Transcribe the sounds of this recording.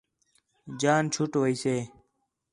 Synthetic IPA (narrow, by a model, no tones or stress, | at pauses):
d͡ʒaːnt͡ʃʰʊʈʋəiːseː